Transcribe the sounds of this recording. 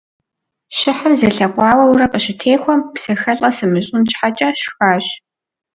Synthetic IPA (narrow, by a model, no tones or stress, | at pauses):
ʃɪħɐrzɐɬɐqʷʼɑːwɐwuʊɾɐqʼəɕɪtʰeːxʷɔmpsɐxɐɬʼɐsɨmɨɕʼʊnt͡ʃħat͡ʃʼɐʃxaːɕ